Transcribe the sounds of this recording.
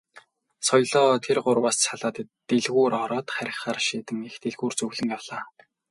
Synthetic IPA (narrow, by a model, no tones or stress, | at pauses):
sɔjɮɔːt̪ʰerɢʊrwaːssaɮaːt̪ː | eɮɣuːɾɔɾɔːt̪χæɾʲɪ̆χaːrʃiːt̪ɘ̆ŋext̪eɮɣuːrt͡sɵɣɮɘ̆ŋjawɮ̥aː